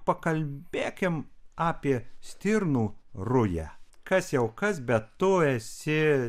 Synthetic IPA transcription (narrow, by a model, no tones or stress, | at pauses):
pɐkɐlʲbʲeːkʲɪmɑːpʲiɛsʲt̪ʲɪɾnuːrʊjæ̰kɐsjɛʊkɐsbʲɛttʊɛsʲɪ